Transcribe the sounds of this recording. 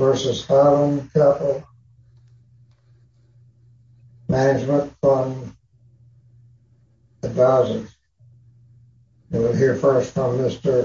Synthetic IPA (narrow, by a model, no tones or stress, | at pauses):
vɜ˞sɨz̥hɑɾə̃nkʰʌpl̩ˠ | mænɨd͡ʒmə̃nfɹʌ̃m | ðɨdɑzəz̥ | ɨwəlɦiɹfɜ˞stfɹʌ̃mːɪstə˞